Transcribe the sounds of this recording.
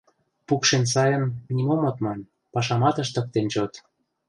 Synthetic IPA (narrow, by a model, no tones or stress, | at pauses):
pukʃensɑjə̆nmʲinʲimomot̪mɑnʲ | pɑʃ̬ɑmɑt̪ə̆ʃt̪ə̆k̚t̪ent͡ɕot̪